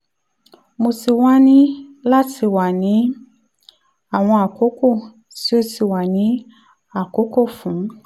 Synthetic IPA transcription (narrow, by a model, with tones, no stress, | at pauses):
mo˧si˨wa˦nĩ˦la˦ti˨wa˨nĩ˨˦ | a˦˨w̃ɔ̃˧a˨ko˦ko˦˨ | si˦o˧si˨wa˨nĩ˨˦ | a˨ko˦ko˦˨fũ˨˦